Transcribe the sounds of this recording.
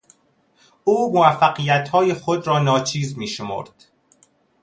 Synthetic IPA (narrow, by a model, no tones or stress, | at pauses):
uːmovæfːæɢijæt̪hɒːjexod̪ɾɒːnɒːt͡ʃʰiːzmiːʃo̞mo̰ɾd̪̥